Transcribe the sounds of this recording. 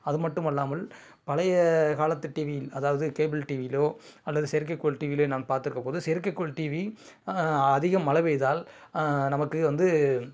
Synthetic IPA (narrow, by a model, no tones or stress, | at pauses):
ɐðɯmɐʈːɯmɐlːaːmɐl | pɐlɐjɐkaːlɐt̪ːɯʈːiːʋɪjɪlɐðaːʋɐðɯkeːbɪlʈiːʋɪloː | ɐlːɐðɯsɛɾk̬ːɐɪkːoɭʈiːʋɪleːnaːnpaːɾt̪ɪɾɯkːɐpoːðɯsɛɾkːɐkːoɭʈiːʋi | ɐðɪɣɐmːɐlɐʋɛɪðaːl | nɐmɐkːɯʋɐnd̪ɯ